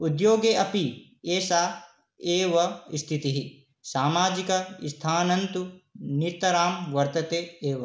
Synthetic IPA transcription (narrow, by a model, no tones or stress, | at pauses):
ud̪joːɡeːʔɐpi | eːsaː | eːʋɐist̪ʰit̪iɦi | saːmaːd͡ʒikɐḭst̪ʰaːnɐnt̪uniɾt̪ɐɾaːmʋɐɾt̪ɐt̪eːeːʋɐ